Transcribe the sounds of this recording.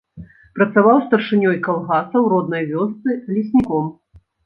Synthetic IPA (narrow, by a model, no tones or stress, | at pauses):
pɾɐt̪savawst̪ɐrʂɨnʲɔjkalˠɣasɐwɾɔd̪̚nɐjvʲɔst̪sɨlʲisʲnʲikɔm